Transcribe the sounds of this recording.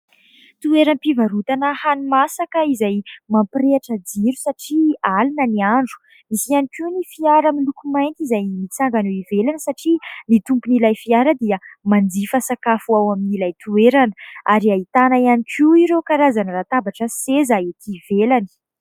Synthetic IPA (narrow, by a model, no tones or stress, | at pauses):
t̪ueɾanpivaɾut̪anəhanumasakəizajmampreaʈ͡ʂəd͡ziɾusaʈ͡ʂialinəniaɳɖ͡ʐu̥ | misianikinifiaɾəmilukumajnt̪izajmit͡saŋɡaneivelanəsaʈ͡ʂinit̪umpunilajfiaɾəd̪iəmand͡zifasakafuawaminilajt̪ueɾanəʔaɾiait̪anaianikʰiiɾekaɾazanəɾat̪abaʈ͡ʂəsezaet̪ivelani̥